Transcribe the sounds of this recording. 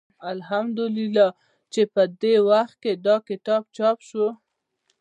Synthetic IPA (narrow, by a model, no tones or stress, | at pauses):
alɦamd̪ʊlilɑ | t͡ʃepəd̪ewaxt̪̚ked̪ɑkɪt̪ɑb̚t͡ʃɑpʃu